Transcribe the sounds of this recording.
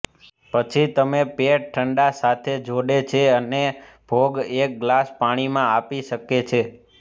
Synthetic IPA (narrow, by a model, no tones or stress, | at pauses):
pət͡ʃʰit̪əmepeʈʈʰəɳɖasat̪ʰed͡ʒʱoɽet͡ʃʰeəne | b̥ʱoɡek̚ɡlaspaɽ̃imãapiʃəket͡ʃʰe